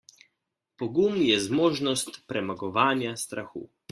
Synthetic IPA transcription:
pɔɡumjɛzmoːʒnɔst̪pɾɛmaɡɔʋaːnjast̪ɾaxṵ

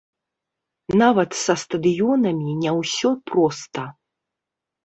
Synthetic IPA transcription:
navɐt̪sɐst̪ɐd̪ɨjɔnɐmʲinʲɛwsʲɔpɾɔst̪ɐ

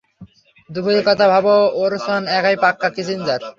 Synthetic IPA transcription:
d̪uboɾkɔt̪abʱabooɾsanɛkajpakːakit͡ɕʰind͡ʑaɾ

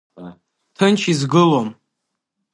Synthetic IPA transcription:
tʰɨnt͡ʃʰizɡɨlom

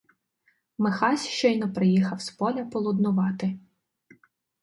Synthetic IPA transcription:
mexɑsʲʃt͡ʃɔjnɔpɾɪjixɐwspɔlʲɐpɔlˠʊd̪nʊʋɑt̪ɪ

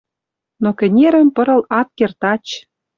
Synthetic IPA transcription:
nokɘ̆nʲeɾə̆mpɤ̆ɾɤ̆lɑt̪̚kert̪ɑt͡ɕ

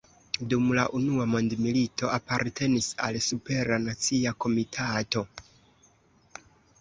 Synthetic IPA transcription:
dumla̰ʔunuamo̞ndmilitʰo̞ʔapaɾtʰe̞nisa̰lsupe̞ɾanat͡siako̞mitʰato̞

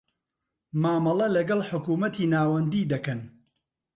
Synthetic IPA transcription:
maːmɐlˠɐlɐɡɐlˠħʊkuːmɐt̪ʰiːnaːwɐnd̪iːd̪ɐkɐn

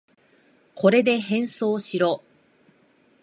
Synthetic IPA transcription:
ko̞ɾe̞d̪e̞ɦẽ̞ɰ̃so̞ːɕiɾo̞

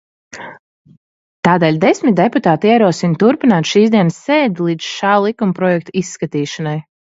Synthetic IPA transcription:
t̪aːd̪eːlʲd̪esmʲit̪̚d̪eput̪aːt̪iɛɾuɔsint̪uɾpinaːt̪ʃiːzd̪iɛnəsːeːd̪ilˠiːd̪z̥ʃaːlˠikumpɾɔjɛk̚t̪isːkat̪iːʃanaj

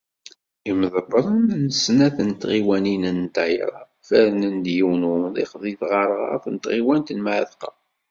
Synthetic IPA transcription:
iməðəbɾˤənnəsnæθənt̪ʁiwæninənt̪ɑjɾˤɑ̰ | fæɾnənd̪jiwnuðˤiχðˤiθʁɑɾˤʁɑ̰θnt̪ʁiwænt̪nmaʕðqɑ̰

